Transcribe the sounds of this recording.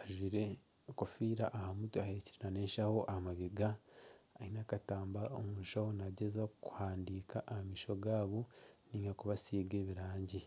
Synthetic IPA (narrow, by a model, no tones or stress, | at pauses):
aʒwiːɾe̞ | kofiːɾaʔahamutuahe̞ciɾinane̞ːnʃaho̞ʔahamaɡeɡaː | hinakataːmbao̰muːʃahonaɟezaku̥haːndiːkaʔahamiːʃo̞ɡaːβoniːŋɡakuβasiːɡe̞ːβiɾaːɲɟi